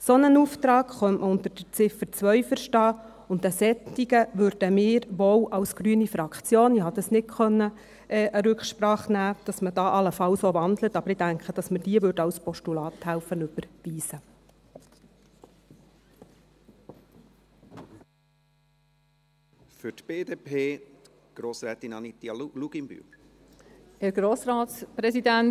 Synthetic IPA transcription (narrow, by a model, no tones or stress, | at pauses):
sɔnənuːftɾɑːɡχœmʔməʊnt̪əɾd̥əɾt͡sɪfəɾt͡sʋœʏfəɾʃtɑː | ʊnt̪æsɛt̪ːiɡəʋøɾd̥əmɪːɾʋoːwʔɑwsɡ̥ɾyənifɾɑkχt͡sjoːnɪhɑd̪ɑsnɪtχœnːə | ɛːʔəɾʉkχʃpɾɑːχnæːd̥ɑsməd̥ɑːʔɑləfɑwsoʋɑnd̪lət̪ɑbəɾɪd̥æŋkχəd̥ɑsməd̥iəʋʏɾdəɑwspɔʃtulɑːt̪hælfənʉb̥əɾviːsə | fʏtb̥eːd̪eːpʰeː | ɡ̥ɾoːsɾɛːt̪inɑnit̪iluɡ̥imby̰ | hæɾɡ̥ɾoːsɾɑːt̪spɾɛsidæn